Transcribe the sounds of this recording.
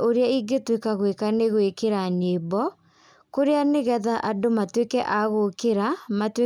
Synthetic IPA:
ʔoɾeaiɡetwekaɣwekaneɣwekeɾanebɔ | koɾeaneɣɛðaʔadomatwekɛʔaɣokeɾamatwe

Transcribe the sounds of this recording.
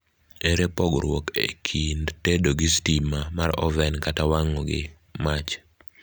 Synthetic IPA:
eɾepɔɡɾwɔkḛkʰindtedoɡistimamaɾɔ̰vɛnkatawaŋɔɡɪ̰ | mat͡ʃ

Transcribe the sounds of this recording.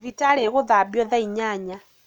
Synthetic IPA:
vitaɺɛɣuðabjɔðaiɲaɲa

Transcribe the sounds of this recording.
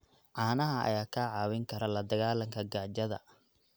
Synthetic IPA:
ʕaːnɐɦɐɐ̰jaːkʰaːʕɑːwɪŋkʰɐɾɐlɐd̪ɐɣaːlɐŋkʰɐɡaːd͡ʒɐðɐ̰

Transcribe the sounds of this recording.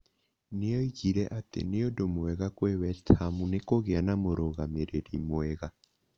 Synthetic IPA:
neɔiɣiɾɛʔatḛneodomoɛɣakweβɛstamunekoɣeanamoɾoɣameɾeɾimoɛɣa

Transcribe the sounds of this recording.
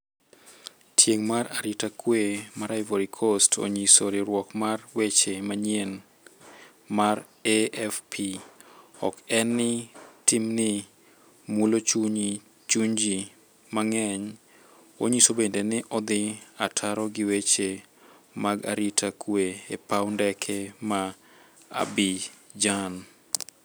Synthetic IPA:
tʰjeŋmaraɾitakwemaɾaɪvoɾikʰostʰo̰ɲisoɾɪɾwɔkmarwet͡ʃemaɲen | mar | eɛfpʰi | ɔ̰kɛnːɪtɪmnɪ | mulot͡ʃuɲi | t͡ʃuɲd͡ʒi | maŋɛɲ | o̰ɲisobendenɪʔɔd̪ɪatʰaɾɔɡɪwet͡ʃe | maɡa̰ɾitʰakʰweepawndɛkʰɛma | a̰bi | d͡ʒan

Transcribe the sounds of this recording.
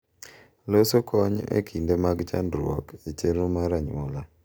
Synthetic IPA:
losokʰɔɲḛkʰindemaɡt͡ʃa̰ndɾɔket͡ʃeɾomaɾaɲwɔla

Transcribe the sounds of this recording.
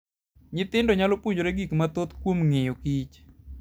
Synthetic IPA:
ɲɪt̪ɪndɔɲalopwoɲd͡ʒoɾeɡikmat̪ot̪kwomŋejokit͡ʃ

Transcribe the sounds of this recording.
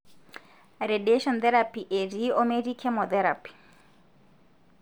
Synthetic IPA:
redeʃɔnt̪ɛɾapiʔeɾiɔmeɾikʰɛmɔt̪ɛɾapi̥

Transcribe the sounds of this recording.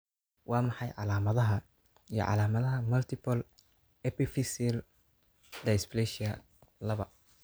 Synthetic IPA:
wɑːmɑħɑjʕɑ̰laːmɐðɐɦɐ | ijɞ̰ʕɑ̰laːmɐðɐɦɐmɐlt̪ʰɪpʰɐl | ɛpifɪsil | d̪ɐsplɛʃiɐ | lɐβɐ

